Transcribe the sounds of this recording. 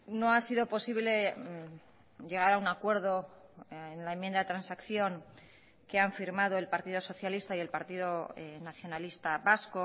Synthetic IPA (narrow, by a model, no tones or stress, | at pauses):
no̞asiðo̞po̞siβle̞ | ʎe̞ɣ̞aɾaunakwe̞ɾðo̞enlaemjend̪aðet̪ɾansakθjo̞ŋ | ke̞aɱfiɾmað̞oe̞lpaɾt̪iðo̞so̞θjalist̪aie̞lpaɾt̪iðo̞naθjo̞nalist̪aβasko